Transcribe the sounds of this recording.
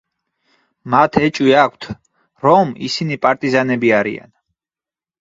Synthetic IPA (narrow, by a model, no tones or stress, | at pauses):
mat̪ʰɛt͡ʃʼwiakʷʰt̪ʰ | ɾɔmḭsinipʼaɾt̪ʼizanɛbiaɾḭa̰n